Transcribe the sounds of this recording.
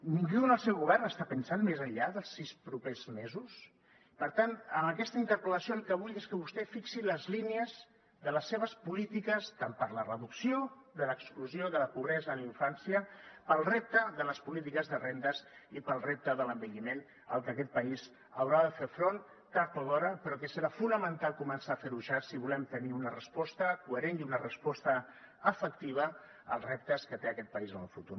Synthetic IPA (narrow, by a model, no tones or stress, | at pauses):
niŋʒunəlˠsɛwɣuβɛrnəst̪apənsanmezəʎʎaðəlˠsːispɾupezmezus | pəɾt̪anəməkɛst̪əint̪əɾpələsioəlˠkəβuleskəβust̪ɛfiksiləzliniəz | ðələsːeβ̞əspulit̪ikəst̪ampəɾlərəðuksijo | ðələkskluzijoðələpuβ̞ɾɛzəliɱfansiəpəlˠrep̚t̪əðələspulit̪ikəzðərend̪əzipəlˠrep̚t̪əðələmbiʎimen | ə̰lˠkəkɛt̪̚pəiz | əwɾaðəfeɾfɾon | t̪aɾt̪alɔɾəpəɾɔkəsəɾafunəmənt̪alˠkumənsaːfeɾuʒasiβulɛmt̪əniunərəspɔst̪əkuəɾeniunərəspɔst̪ə | əfəkt̪iβ̞ə | ə̰lˠrep̚t̪əskət̪eəkɛt̪̚pəizənəlˠfut̪uɾ